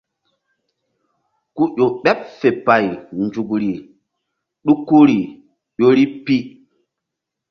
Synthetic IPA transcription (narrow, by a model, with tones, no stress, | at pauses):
ku˦ʄʲo˨ɓɛ˦p̚fe˨pa˨jnd͡ʒu˨kɾi˨ | ɗu˦kːu˦ɾi˨ | ʄʲo˦ɾi˦pi˦